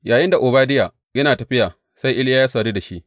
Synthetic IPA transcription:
jaː˨jɪ˦nda˨ʔʊː˨baː˦dɪ˦jaː˨ | jɐ˦naː˨tɐ˨ɸɪ˦jaː˨ | sa˦jʔɪ˦ljaː˦jaː˦sɐː˨ɾiː˦da˨ʃi˦ʔ

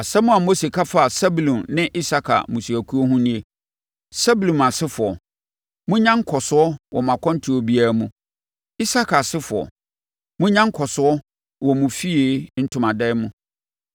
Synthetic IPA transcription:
a˨sɛ˦mʊ̃˦a˨mo˦se˨kʰa˦fa˦a˨sa˦bu˨lũ˨nnɪ̃˦ʔi˦sa˦kʰa̰˨mũ˨su˨æ˨kʰu˦o˦ɦũ˦nĩ˦e˨ | sa˦bu˨lũ˨ma˨sɪ˦fʊ˨ɔ˨ | mʊ̃˦ɲã˦ŋ˦kʰɔ˨sʊ˦ɔ˦wʔɔ˨mã˨kʰɔ̃˦n˦tʰu˨˦o˨bi˦a˦˨mũ˨ | i˦sa˦kʰa˨sɪ˦fʊ˨ɔ̰˨ | mʊ̃˦ɲã˦ŋ̩˦kʰɔ˨sʊ˨ɔ˦ | wɔ˨mũ˨fi˦e˨˦n̩˦tʰʊ˨mã˨dɛ˦mʊ̃˦

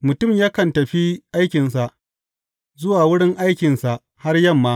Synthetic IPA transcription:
mʊ˨tʊ˦˨mjaː˦kɐ˨ntɐ˨ɸi˦ʔa˦jkʲɪ˨nsa˨ʔ | zʊ˦waː˨wʊ˦ɽɪ˦ŋʔa˦jkʲɪ˨nsa˨ʔ | ha˦rjɐ˦˨mːaː˦

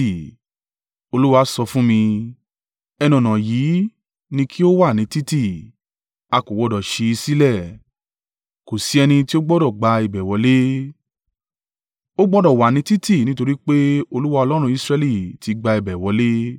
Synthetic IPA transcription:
o˧lu˦wa˨˧˦sɔ˧fũ˦mĩ˧ | ɛ˧nɔ̃˨nã˨jiː˨˦ | nĩ˧kʰi˦o˦wa˦˨nĩ˨˦ti˦ti˦˨ | a˧ko˨wɔ˧dɔ˨ʃi˧i˧si˦lɛ˦˨ | ko˨si˨˦ɛ˧nĩ˧ti˦o˦ɡ͡bɔ˦dɔ˦˨ɡ͡ba˧i˨bɛ˨wɔ˨˦le˦ | o˦ɡ͡bɔ˦dɔ˦˨wa˨nĩ˧˦ti˦ti˦˨nĩ˦to˧ɾi˦k͡pe˦o˧lu˦wa˧ɔ˧lɔ˦ɾ̃ũ˧i˧sɾɛ˧li˦˨ti˨˧ɡ͡ba˧i˨bɛ˨wɔ˨˧˦le˦

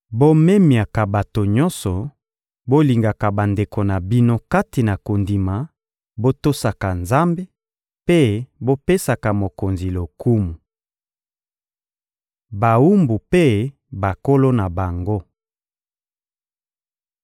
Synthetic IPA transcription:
bo˦me˦mi˨a˨ka˨ba˨to˨ɲɔ̃˦sɔ˨ | bo˦li˨ŋɡa˨ka˨ba˨nde˨ko˨na˨bi˦no˦ka˦ti˨na˨ko˨ndi˨ma˨ | bo˦to˦sa˨ka˨nza˦mbe˦ | pe˦bo˦pe˦sa˨ka˨mo˨ko˨nzi˨lo˨ku˦mu˨ | ba˨u˦mbu˨pe˦ | ba˨ko˦lo˦na˨ba˨ŋɡo˦

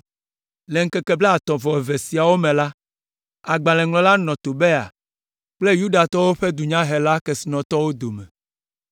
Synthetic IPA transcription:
le˨ŋ̩˦kɛ˦kɛ˦blɛ˦a˨t̪ɔ̃˨vɔ˨e˨ve˨si˨a˨wo˦mẽ˨la˦ | a˨ɡ͡ba˨lɛ̃˨ŋlɔ̃˨la˦nɔ̃˨t̪o˨be˦a̰˨ | k͡ple˦ju˦da˨t̪ɔ˦wo˦ɸe˦d̪u˨ɲã˦ɦe˨la˦kɛ˨si˨nɔ̃˨t̪ɔ˦wo˦d̪o˨mɛ̰˨

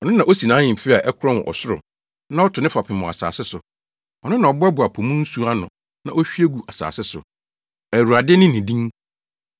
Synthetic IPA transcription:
ɔ˨nʊ̃˦nã˨ʔo˦si˨nãː˨˦ɲɪ̃˨m˨fɪ˦a˨ʔɛ˦kʰʊ˦ɾɔ̃˦ñ̰˨ʔɔ̰˨sʊ˦ɾʊ̰˨ | nã˦ɔ˦tʰʊ˨nɪ̃˦fa˨pʰɪ̃˨mʊ̃˨a̰˨sa̰ː˨sɪ˦sʊ˨ | ɔ˨nʊ̃˦nã˨ɔ˨bʊ˦ɛ˦bʊ˨a˨pʰo˨mũ˦n̩˦su˦a˦nʊ̃˨ | nã˦o˦ɕᶣi˦e˦ɡu˨ʔa˨sa̰ː˨sɪ˦sʊ̰˨ | æ˨wu˨ɾa˨dɪ˦nɪ̃˦nɪ̃˨dĩ˦ŋ

